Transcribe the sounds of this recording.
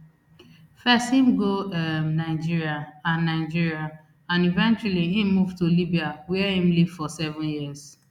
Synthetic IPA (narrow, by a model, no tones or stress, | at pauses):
fɛsthĩm̩ɡoɛmnaɪd͡ʒiɹiaãnːaɪd͡ʒiɹia | ãnivɛ̃nt͡ʃaliɦĩmuvtulibiawɛhĩm̩liv̥fɔsɛvʊ̃njiz